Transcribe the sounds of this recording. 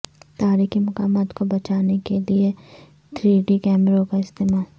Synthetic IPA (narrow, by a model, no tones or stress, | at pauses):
t̪aːɾikimʊkaːmaːt̪kobɐt͡ʃaːnekelie | t̪ʰɾiːɖikɛːmɾõkaɪst̪eːmaːl